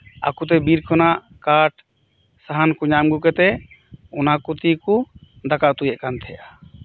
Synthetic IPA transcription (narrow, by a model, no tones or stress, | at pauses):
a̰kut̪̬ɛbiɾkʰɔnaʔ | kaʈ̚ʰ | saɦankuɲamɡukɛt̪ɛ | ɔnakut̪iku | d̪akaʔt̪ujɛʔkant̪ʰɛʔa